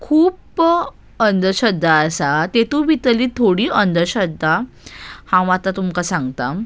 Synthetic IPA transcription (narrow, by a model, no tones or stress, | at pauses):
kʰuːp | ənd̪ʱəɕəd̪ʱːaːsat̪et̪uʋit̪əliːt̪ʰoɽiːʔənd̪ʱəɾɕəd̪ʱːa | hãʋat̪at̪umkasãŋɡt̪a